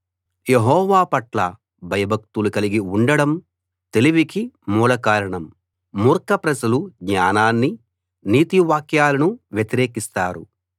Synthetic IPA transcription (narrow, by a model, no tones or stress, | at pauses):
jeɦɔːʋaːpɐʈlɐ | bʱɐjɐbʱɐk̚t̪ulukɐliɡiuɳɖɐɽɐm | t̪eliʋikimuːlɐkaːɾɐɳɐmː | uɾkɐpɾɐd͡ʒɐluɡɲaːnaːnːi | niːt̪iʋaːkjaːlɐnuʋjet̪iɾeːkist̪aːɾṵ